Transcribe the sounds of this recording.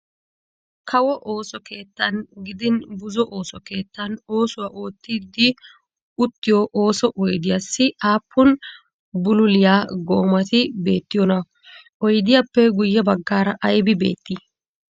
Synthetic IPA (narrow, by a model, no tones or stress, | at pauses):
kʰɐwɔʔo̞ːsɔke̞ːt̪ːɐnɡɪd̪ɪnbʊzɔʔo̞ːsɔke̞ːt̪ːɐno̞ːsʊwaːʔoːt̪ːid̪ːɪ | ʊt̪ːɪjɔʔo̞ːsɔʔɔjd̪ɪjɐsːɪʔaːpʰːʊn | bʊlʊlɪjaːɡoːmɐt̪ɪbe̞ːt̪ːɪjɔnɐ | ʔɔjd̪ɪjapːɛɡʊjːɐbɐɡːaːɾɐʔjbɪbe̞̰ːt̪ːi